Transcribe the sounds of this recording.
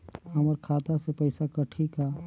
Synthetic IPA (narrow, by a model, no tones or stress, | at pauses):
ɦəməɾkʰaːt̪asepəɪsakəʈʰika